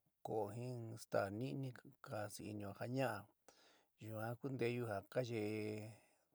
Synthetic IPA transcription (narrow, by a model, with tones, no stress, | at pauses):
ko˨ʔo˧ɦĩ˦st̪a̰˨nĩ˦nĩ˦ka˧si˧ḭ˧nĩ˧˨ha˧ɲã˦ʔa˧ | ʒu˨ã˧˦ku˦nd̪e˧˦˧ju˧ha˨ka˦ʒe˧